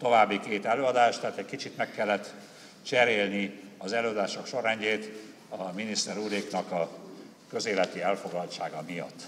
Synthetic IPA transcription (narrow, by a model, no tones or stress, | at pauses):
t̪o̞vaːbːikeːt̪ɛløːɒd̪aːʃt̪ɛɦaːt̪ɛckit͡ʃit̪mɛkːɛlːɛt̪ | t͡ʃɛɾeːlniɒzɛløːɒd̪aːʃo̞kʃo̞ɾɛɲɟeːt̪ | ɒminist̪ɛɾuːɾeːknɒkɒ | kø̞zeːlɛt̪iɛlfo̞ɡlɒlt̪t͡ʃaːɡɒmijɒ̰t̪ː